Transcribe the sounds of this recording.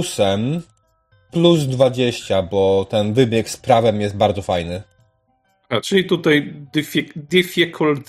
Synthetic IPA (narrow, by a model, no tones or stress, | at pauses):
sɛm | pluzd̪vad͡ʑeɕt͡ɕabɔt̪ɛnvɘbʲjɛkspɾavɛmjɛst̪̚baɾd̪zɔfajnɘ | at͡ʂɘlʲit̪ut̪ajd̪ifʲid̪ʲifʲikʰult̪